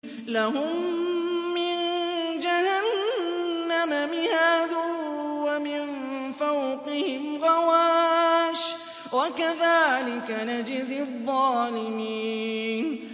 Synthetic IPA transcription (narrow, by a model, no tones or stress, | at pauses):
laɦʊmː | ɪnd͡ʒahanː | amamɪhaːd̪ʊwamɪnfawqɪhɪmɣɑwaːʃ | wakaðaːlɪkanad͡ʒɪzɪðˤːɑːlɪmiːn